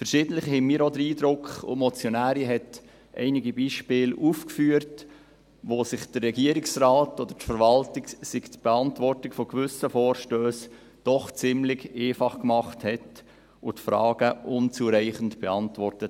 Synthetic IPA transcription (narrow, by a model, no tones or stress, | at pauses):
fəɾʃɪːdən̩tlɪχhɛnmiːɾɔd̪əɾiːd̪ɾʊkχʊ̰mɔt͡sjɔnæːɾiɦɛt | ʔɛ̰ɪniɡibiːʃpɪːlufkfyːəɾt | ʋoːsɪχd̥ərːɛɡiəɾɪksrɑːtɔd̥̪əɾtfəɾvɑltɪksɪɡtb̥ɛɑntvɔrtɪkfɔɡvʏsəfɔːɾʃtøːs | d̥ɔχt͡sɪmlɪɡeːfɑχkmɑχthɛt | ʊtfɾɑ̰ːɡ̥əʔʊnt͡suɾæɪχən̩tb̥ɛɑntvɔrtət